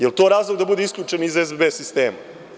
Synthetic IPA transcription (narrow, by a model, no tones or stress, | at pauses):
jelt̪o̞ɾaːzlˠoɡd̪abud̪eiskʎʲut͡ʂenizezbebesist̪eːma